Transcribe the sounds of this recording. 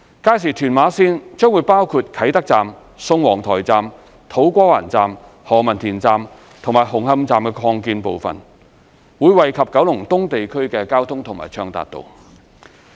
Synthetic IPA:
kaː˧˥jsiː˨˩t̪ʰyː˨˩nmaː˨˧˥siː˥nt͡ʃœː˥ŋwuː˨˧jpaː˥wkʰuː˧t̚kʰɐ˨˥jt̪ɐ˥k̚t͡saː˨m | sʊ˧ŋwɔː˨˩ŋt̪ʰɔː˨˩jt͡saː˨m | t̪ʰo˨˥wkʷɔː˥wa̰ː˨˩nt͡saː˨m | hɔː˨˩mɐ˨nt̪ʰiː˨˩nt͡saː˨˧m | t̪ʰʊ˨˩ŋmaː˨˩jɦʊ˨˩ŋhɐ˧mt͡saː˨mkɛ˧kʰɔː˧ŋkiː˧npo˨wfɐ̰˨n | wuː˨˧jwɐ˨jkʰɐ˨p̚kɐ˨˥wlʊ˨˩ŋt̪ʊ˥ŋt̪e˨jkʰɵ˥ɥkɛː˧kaː˥wt̪ʰʊ˥ŋt̪ʰʊ˨˩ŋmaː˨jt͡ʃʰœː˧ŋt̪a̰ː˨˩t̪̚ːo̰˨w

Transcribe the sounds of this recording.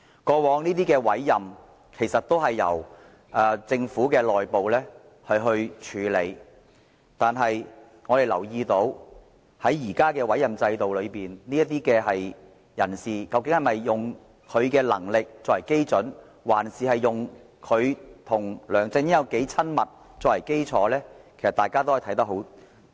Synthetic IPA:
kɔː˧wɔː˨˧ŋniː˥t̪̬iː˥kɛː˧wɐ˨˥jːɐ˨m | kʰe˨˩jsɐ˨t̚t̪o˥wɦɐ˨jːɐ̰˨˩w | ʔɐː˨˧t͡sɪ˧ŋfuː˨˥kɛː˧lɔː˨jpo˨wlɛː˥ | hɐ˨˧jɦɵ˧ɥt͡ʃʰyː˨˧˥lḛ˨˧j | t̪aː˨nɦɐ˨j | ŋɔː˨˧d̪e˨jlɐ̰˨˩wjiː˧t̪o˨˥w | hɐ˨˥jːiː˨˩kaː˥kɛː˧wɐ˨˥jɐ˨˩mt͡sɐ˧jt̪o˨wlɵ˨˧ɥpiː˨nniː˥jɐ˥t̚t̪iː˥kɛː˧ɦɐ˨j | jɐ˨˩nsiː˨˩kɐ˧wkɪ˧˥ŋhɐ˨˩mɐ˨jːʊ˨˩ŋ | kʰɵ˨˧ɥkɛː˧lɐ̰˨˩ŋlɪ˨k̚t͡sɔː˧khɐ˨˩jke˥jt͡sɵ˨˥n | waː˨˩nsiː˨˩hɐ˨jːʊ˨ŋ | kʰɵ˨˧ɥt̪ʰʊ˨˩ŋlœː˨˩ŋt͡sɪ˧ŋjɪ˥jɐ˨˧wke˨˥jt͡sʰɐ˥nmɐ˨t̚ | t͡sɔː˧kɐ˨˩jke˥jt͡sʰɔ̰ː˨˥lɛː˥kʰe˨˩sɐ˨t̪aː˨jkaː˥t̪o˥hɐ˨jt̪ʰɐ˨˥jt̪ɐ˥k̚ɦo˨˥w

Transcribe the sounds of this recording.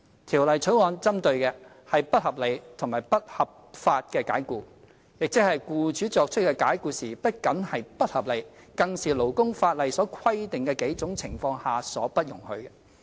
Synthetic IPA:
t̪ʰiː˨˩wlɐ˨jt͡ʃʰɵ˨˥ɥŋɔː˨˧nt͡sɐ˥mt̪ɵ˧ɥkɛː˧ | hɐ˨jpɐ˥t̚hɐ˨p̚le˨˧jt̪ʰʊ˨˩ŋmaː˨˩pɐ˥t̚hɐ˨p̚faː˧t̚kɛː˧kaː˨˥jkuː˧ | jɪ˨k̚t͡sɪ˦˥hɐ˨jkuː˧t͡ʃyː˨˥t͡sɔː˧k̚t͡ʃʰɵ˥t̚kːɛ˧kaː˨˥jkuː˧siː˨˩pɐ˥t̚kɐ˨˥nhɐ˨jpɐ˥t̚hɐ˨p̚le˨˧jkɐ˧ŋsiː˨˩lo˨˩wkʊ˥ŋfaː˧t̚lɐ˨jsɔː˨˥kʰwɐ˥jt̪ɪ˨ŋkɛː˧ke˨˥jt͡sʊ˨˥ŋt͡sʰɪ˨˩ŋfɔː˧ŋhaː˨sɔ̰ː˨˥pɐ˥t̚jʊ˨˩ŋhɵ˧ɥkɛː˧

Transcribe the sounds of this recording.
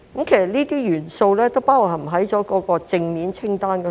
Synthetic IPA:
kɐ˦˥mkʰe˨˩jsɐ˨t̚niː˥t̪iː˥jyː˨˩nso˧wlɛː˥t̪o˥wpaː˥u˨˩hɐ˨˩m̩˨˩ɦɐ˨˥jt͡ʃɔː˨˥kɔː˨˥kɔː˧t͡sɪ˧ŋmiː˨˥nt͡sʰɪ˥ŋt̪aː˥nkɛ˧

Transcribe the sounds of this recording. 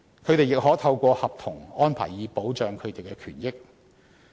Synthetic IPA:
kʰɵ˨˧ɥt̪e˨jɪ˨k̚ɦɔː˨˥t̪ʰɐ˧wkʷɔː˧hɐ˨p̚t̪ʰʊ˨˩ŋɔː˥npʰa̰ː˨˩jːiː˨˧po˨˥wt͡ʃœː˨ŋkʰɵ˨˧t̪e˨jkɛː˧kʰyː˨˩njɪ˥k̚

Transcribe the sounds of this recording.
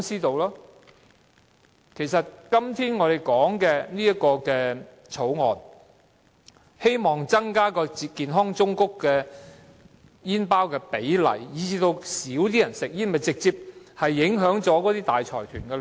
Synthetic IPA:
ŋsiː˥t̪o˧wlɔː˥ | kʰe˨˩jsɐ˨t̚kɐ˥mt̪ʰiː˥nŋɔː˨˧ɾe˨˩jkɔː˨˥ŋkɛː˧niː˥jɐ˥kɔː˧kɛː˧ | t͡sʰo˨˥wŋɔ̰ː˨n | he˥jmɔː˨˩ŋt͡sɐ˥ŋkaː˥kɔː˧t͡si˧kiː˨nɦɔː˥ŋt͡sʊ˥ŋkʊ˥kːɛː˧ | jiː˥npaː˥wkɛː˧pe˨˥jlɐ̰˨˩jjiː˨˧t͡siː˧t̪o˧wsiː˨˥wt̪iː˥jɐ˨˩nsɪ˨k̚jiː˥nmɐ˨jt͡sɪ˨k̚t͡siː˧p̚hɐ˨jːɪ˨˥ŋɦœː˨˥ŋt͡sɔː˨˥kɔː˨˥t̪iː˥t̪aː˨jt͡ʃʰɔ̰ː˨˩jt̪ʰyː˨˩nkɛ˧

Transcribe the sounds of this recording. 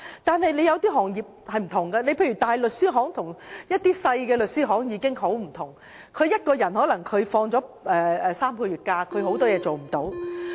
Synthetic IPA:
t̪aː˨nɦɐ˨jle˨˧jɐ˨˧wt̪iː˥ɦɔː˨˩ŋjiː˨p̚hɐ˨jm̩˨˩t̪ʰʊ˨˩ŋɡa˧ne˨˧pʰe˧jɥyː˨˩t̪aː˨jlɵ˨t̚siː˥ɦɔː˨˥ŋt̪ʰʊ˨˩ŋjɐ˥t̚t̪iː˥sɐ˧jkɛː˧lɵ˨t̚siː˥ɦɔː˨˥ŋjiː˨˧kɪ˥ŋɦo˨˥wm̩˨˩t̪ʰʊ˨˩ŋ | kʰɵ˨˧ɥjɐ˥t̚kɔː˧jɐ˨˩nɦɔː˨˥lɐ˨˩ŋkʰɵ˨˧ɥfɔː˧ŋt͡sɔː˨˥ʔɛː˧ɛː˨˧saː˥mkʰɔː˧jyː˨˩t̚kaː˧kʰɵ˨˧ɥho˨˧˥wt̪ɔː˥jɛː˨˧t͡so˨wm̩˨˩t̪o˨˥w

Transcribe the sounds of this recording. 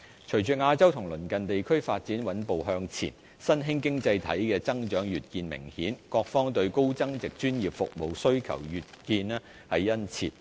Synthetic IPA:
t͡ʃʰɵ˨˩ɥt͡ʃyː˨˧ŋaː˧t͡sɐ˥wt̪ʰʊ˨˩ŋlɵ˨˩nkɐ˨nt̪e˨jkʰɵ˥ɥfaː˧t̚t͡siː˨˥nwɐ˨˥npo˨wɦœː˧ŋt͡sʰḭː˨˩n | sɐ˥nɦɪ˥ŋkɪ˥ŋt͡sɐ˧jt̪ʰɐ̰˨˥jkɛː˧t͡sɐ˥ŋt͡ʃœː˨˥ŋjyː˨t̚kiː˧nmɪ̰˨˩ŋhiː˨˥nkɔː˧k̚fɔː˥ŋt̪ɵ˧ɥko˥wt͡sɐ˥ŋt͡sɪ˨k̚t͡ʃyː˥njiː˨p̚fʊ̰˨k̚mo˨wsɵ˥ɥkʰɐ̰˨˩wjyː˨t̚kiː˧nɛː˥ | hɐ˨˩jːɐ˥nt͡sʰḭː˧t̚

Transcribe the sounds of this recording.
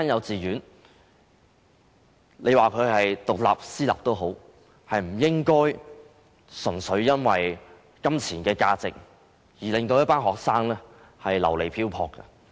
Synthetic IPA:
aː˥njɐ˨˧wt͡siː˨jyː˨˥n | le˨˧jwaː˨kʰɵ˨˧ɥɦɐ˨jt̪ʊ˨k̚la̰ː˨p̚siː˥la̰˨p̚t̪o˥wɦo˨˥w | hɐ˨jm̩˨˩jɪ˥ŋkɔː˥j | sɵ˨˩nsɵ˨˧˥ɥjɐ˥nwɐ˨j | kɐ˥mt͡sʰiː˨˩nkɛː˧kaː˧t͡sɪ̰˨k̚ | jiː˨˩lɪ˨ŋt̪o˧wjɐ˥t̚paː˥nɦɔː˨˩k̚saː˥ŋlɛː˥ | hɐ˨jlɐ̰˨˩wle˨˩jpʰiː˥wpʰɔː˧kːɐ̰˧

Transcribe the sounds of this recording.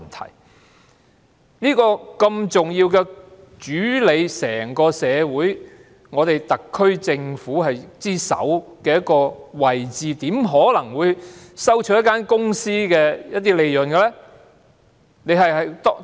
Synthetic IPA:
nt̪ʰɐ̰˨˩j | niː˥kɔː˧kɐ˧mt͡sʊ˨ŋjiː˧wkɛ˧ | t͡ʃyː˨˥le˨˧jsɛ̰ː˨˩ŋkɔː˧sɛː˨˧wuː˨˥j | ŋɔː˨˧t̪e˨jt̪ɐ˨kʰːɵ˥ɥt͡sɪ˧ŋfuː˨˥hɐ˨jt͡siː˥sɐ̰˨˥wkɛː˧jɐ˥t̚kːɔː˧wɐ˨˩jt͡siː˨t̪iː˨˥mɦɔː˨˥lɐ˨˩ŋwuː˨˧jsɐ˥wt͡ʃʰɵ˥jɐ˥kːaː˥nkʊ˥ŋsiː˥kɛː˧jɐ˥t̚t̪ːiː˥le˨˧jjɵ˨nɡɛ˧lɛ˥ | ne˨˧jɦɐ˨jɦɐ˨jt̪ː

